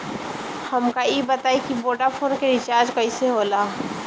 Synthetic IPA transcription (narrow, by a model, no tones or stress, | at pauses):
hɐmkaibət̪aːikiboːɖapʰoːnkeɾɪt͡ʃaːɾd͡ʒkɐiseɦoːlaː